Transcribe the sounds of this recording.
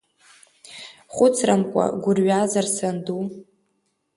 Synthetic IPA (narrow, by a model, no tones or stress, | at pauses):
χʷʊt͡sʰramkʷʼa̰ɡʷʊrɥazarsandu